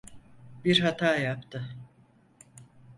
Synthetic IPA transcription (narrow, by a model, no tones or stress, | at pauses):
biɾɦat̪ʰaːjapt̪ʰɯ